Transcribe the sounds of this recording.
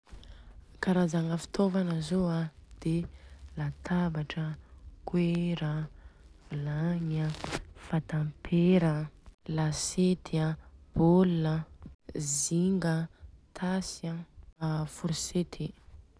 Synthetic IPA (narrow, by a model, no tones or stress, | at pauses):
kaɾazaŋəfi̥t̪ʰovanəzoad̪̥elat̪ʰabaʈ͡ʂəkweɾəv̥ilaɲəfat̪ãmpʰeɾəlaset̪iab̥olunə | ziŋɡət̪ʰasa | fuɾiset̪ʰi